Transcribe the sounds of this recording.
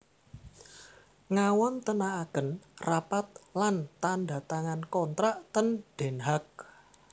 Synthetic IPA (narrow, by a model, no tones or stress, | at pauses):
ŋawɔnt̪ənaːkənrapat̪̚lant̪anda̤t̪aŋankɔnt̪ɾaʔt̪ənɖ̥e̤nɦak̚